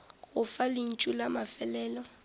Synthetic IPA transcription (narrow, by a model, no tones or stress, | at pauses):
ɣʊfalɪn̩t͡ʃʼulamafɛlɛːlɔ